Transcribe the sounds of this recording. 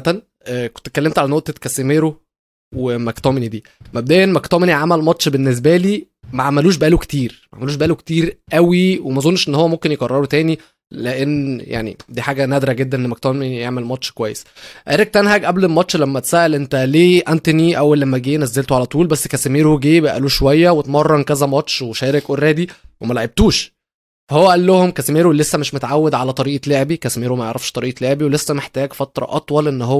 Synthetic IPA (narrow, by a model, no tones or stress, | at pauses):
t̪æn | ʔko̥nt̪ekːælːemt̪ʕalænoʔt̪ekæsemeːɾo | wemækt̪ˤɑːmenid̪iː | mæb̚d̪æːʔenːmækt̪ɑmeniʕamælmɑtʃbenːes̬bæliː | mæʕamæluːʃ̬bʔæːloke̥t̪iːɾmæʕamæluːʃbæʔælokt̪iːɾʔæwiwemæzˤonːʃʔenːhowːæmomkenjeɡɑrˤːɑɾot̪æːni | leʔenːja̰ʕnḭd̪iːħaːɡænæd̪ɾæɡed̪ːænʔenːmæk̚t̪ɑmenjeʕmelmɑtʃkowæjːesʔæɾeɡ̚t̪ænɦæɡʔæblelmɑtʃlæmːæt̪sæːʔælʔent̪æleːʔænt̪eniʔæwælːemːæɡeːnæzːelt̪oʕalæt̪ˤuːlbæsːkæsemeːɾuɡeːbæʔæ̰luːʃowæjːæwet̪mɑrˤːɑnkæzæmɑt̪ʃweʃæːɾekworːæːd̪iwemælæʕeb̚t̪uːʃ | fæhowːæʔælːohomkæsemeːɾulesːæmeʃmot̪ʕawːed̪ʕalæt̪ˤɑɾiːʔleʕebikæsemeːɾumæjeʕɾˤɑfʃt̪ˤɑɾiːʔleʕebiwelesːæmeħt̪æːɡfɑt̪ɾˤɑ̰ʔɑt̪ˤwɑlʔenːɦowː